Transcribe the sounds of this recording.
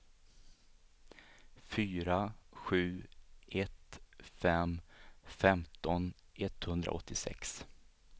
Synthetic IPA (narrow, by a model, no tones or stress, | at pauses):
fyːɾaɧʉ̟ːʔɛt̪fɛmfɛmt̪ɔn | ʔɛt̪hɵnd̪ɾa̰ɔt̪ʰːɪsɛ̰ks